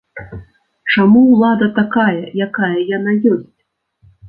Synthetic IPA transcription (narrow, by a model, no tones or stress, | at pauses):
t͡ʂamuwlˠad̪ɐt̪akajɐjakajɐjan̪ajɔsʲt͡sʲ